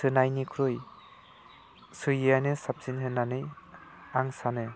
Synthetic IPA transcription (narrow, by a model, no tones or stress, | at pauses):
sɯnajnikʰɾɯj | sɯjɯjanɯsap̚sinɦɯnːanɯjaŋsanɯ